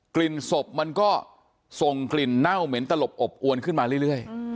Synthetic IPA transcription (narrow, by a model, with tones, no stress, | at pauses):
kli˨˩nso˨˩p̚ma˧nkɔː˥˩ | so˨˩ŋkli˨˩nːa˥˩wme˩˦nt̪a˧lo˨˩p̚ʔo˨˩p̚ʔu˧ənkʰɯ˥˩nmaː˧ɾɯ˥˩˨jɾɯ˥˩əj